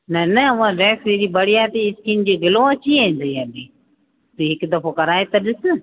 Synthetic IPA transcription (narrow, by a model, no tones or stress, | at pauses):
nɐnɐɐʋãɾɛːsɾeːɾibɐɽiaːt̪iɪskind͡ʑeːɡʱɪlõɐt͡ɕieĩnd̪ɐiɐbĩː | t̪uɦɪkd̪ɐfokɐɾaːet̪ɐɗɪsɪ̆